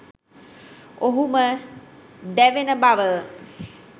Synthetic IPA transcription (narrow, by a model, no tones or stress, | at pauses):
oɦumə | d̪æʋenəbaʋəl